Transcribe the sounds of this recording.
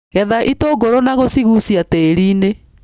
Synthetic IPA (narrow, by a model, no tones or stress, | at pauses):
ɣɛðaʔitoɡoɾonaɣosiɣusiateɾiːne